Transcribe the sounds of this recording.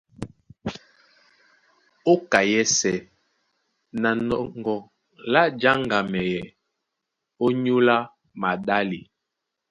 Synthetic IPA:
o˦ka˨jɛ˦sɛ˨ | na˨nɔ˨ŋ˨ɡɔ˨ | la˦d͡ʒa˦ŋɡa˨mɛ˨jɛ˨ | o˦ɲu˦la˦ | ma˨ɗa˦li˨

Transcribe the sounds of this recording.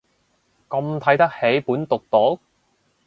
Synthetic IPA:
kɐ˧mt̪ʰɐ˨˥jt̪ɐ˥k̚he˨˥jpuː˨˥nt̪ʊ˨k̚t̪o˨˥

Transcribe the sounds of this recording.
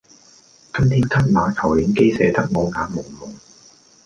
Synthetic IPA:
kɐ˥mt̪ʰiː˥nkʰɐ˥t̚maː˨˧kʰɐ˨˩wliː˨˥nke˥jsɛ̰ː˨˥t̪ɐ˥k̚ŋɔː˨˧ŋaː˨˥nmʊ˨˩ŋmʊ˨˩ŋ

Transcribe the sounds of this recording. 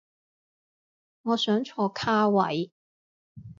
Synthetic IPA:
ŋɔː˨˧sœː˨˥ŋt͡ʃʰɔː˧kʰaː˥wɐ̰˨˥j

